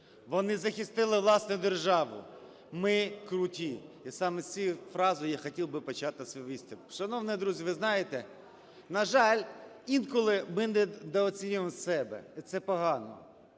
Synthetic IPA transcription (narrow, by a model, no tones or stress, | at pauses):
ʋɔnɪzɐxʲist̪ɪlˠɪʋlˠɑsnʊjʊd̪erʒɑʋʊ̰ | mɪkɾʊtʲiisɑmɛsʲt͡sʲijfɾɑzɔjjaxɔtʲilˠbɪpɔt͡ʃɑt̪ɪsɔʋisʲt̪ʲɐʃɐnɔʋnɪɛd̪ɾuzʲiʋɪznɑjet̪ɛ | nɐʒɑlʲ | inkɔlˠɪmɪnɛd̪ɛɔt͡sʲinʲʊʋmsɛbɛ̰it̪sɛpɔɦɑnɔ̰